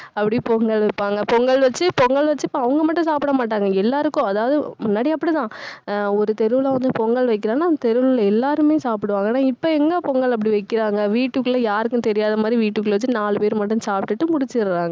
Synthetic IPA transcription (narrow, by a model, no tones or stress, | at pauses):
ɐpːɐɽipɔŋɡɐɭʋɐɪpːaːŋɡɐpɔŋɡɐɭʋɐt͡ʃːɯpɔŋɡɐɭʋɐt͡ʃːɯpːɐɐʋɐŋɡɐmɐʈːʊ̃saːpɪɽɐmaːʈ̬ːaːŋɡɐɛlːaːɾɯkːʊ̃ɐðaːʋɐðɯmʊnːaːɽiɐpːɐɽit̪ãːɔɾɯt̪ɛɾɯʋɯlaʋɐnd̪ɯpɔŋɡɐɭʋɐɪk̬ːɪɾãːnːaːt̪ɛɾɯʋɭlɛlːaːɾɯmeːsaːpɪɽɯʋaːŋɡɐnːaːɪpːoɛŋɡɐpɔŋɡɐɭɐp̬ːɐɽiʋɐɪkːɪɾaːŋɡɐʋiːʈːɯkːɯlɐjaːɾɯkːʊ̃t̪ɛɾɪjaːðɐmaːd̪ɾiʋiːʈːɯkːɯɭʋɐt͡ʃːɯnaːɭɯpeːɾɯmɐʈːɐ̃msaːpʈːɯʈːɯmʊɽɪt͡ʃːɪɾɾaːŋɡɐ